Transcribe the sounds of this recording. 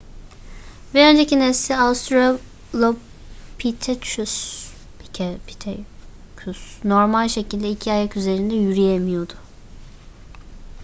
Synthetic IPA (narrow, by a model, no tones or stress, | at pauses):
vɛø̞nd͡ʒecinɛssiast̪ʰɾo | lˠo | pʰit̪ʰɛt͡ʃysʰ | icʰɛpʰi̥t̪ʰɛ | cʰysno̞ɾmalʲʃe̞cʰilʲd̪ɛicʰiajakyze̞ɾind̪ɛjyɾijemijo̞d̪ʊ̥